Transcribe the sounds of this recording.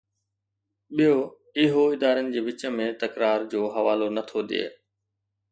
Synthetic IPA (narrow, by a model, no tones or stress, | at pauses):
ɓijo | ɪɦoɪd̪aːɾənɪ̆d͡ʑeːʋɪt͡ɕə̆mẽt̪ɐkɾaːɾd͡ʑoːɦɐʋaːlonɐt̪ʰoɗḛː